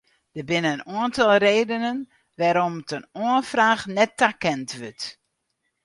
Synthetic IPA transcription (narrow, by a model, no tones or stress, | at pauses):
d̥əbɪnəənuəntɔlˠreːdənən | ʋaːɾɔmtənuənfraːxnɛtːakɛntʋʏt